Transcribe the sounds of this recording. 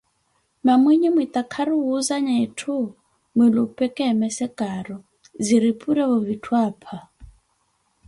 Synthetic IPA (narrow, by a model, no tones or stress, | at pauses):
mamwiɲimwit̪ʼakʰaɾuwuzaɲaitʰu | mwilupʼɛkʼɛmɛsɛkʼaɾɔ | ziɾipʼuɾɛβɔvitʰwaːpʰa